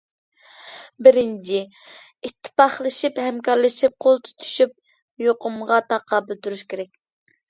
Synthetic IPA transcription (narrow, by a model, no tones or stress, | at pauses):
bɪɾɪnt͡ʃʰɪ | it̪ʰːɪ̥pɑχlˠɨʃiphɛmkɑɾlˠɨʃip̚qʰolˠt̪ʰy̥t̪ʰy̥ʃyp̚ | joqʊmʁɑt̪ʰɑqʰːɑːbɨlt̪uɾuʃkʲʰeɾɛkʲ